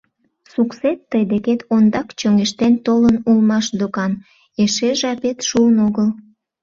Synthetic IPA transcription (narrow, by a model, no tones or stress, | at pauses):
sukset̪ːəjd̪eket̪ond̪ɑkt͡ɕøŋeʃt̪ent̪olənulmɑʃd̪okɑn | eʃeʒɑpet̪ʃuənoɣəl